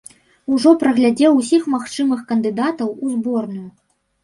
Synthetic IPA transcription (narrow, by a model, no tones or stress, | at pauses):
uʐɔpɾɐɣlʲad͡zʲɛwus̬ʲixmaxt͡ʂɨmɨxkɐnd̪ɨd̪at̪ɐwuzbɔrnuju